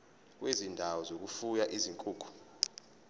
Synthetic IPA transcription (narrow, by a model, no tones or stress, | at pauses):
k̬wʔezindʱawɔzok̬ufujaʔiziŋkʼuːku̥